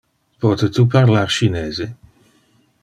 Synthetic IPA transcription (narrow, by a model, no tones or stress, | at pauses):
pɔːt̪et̪uparlarʃineːze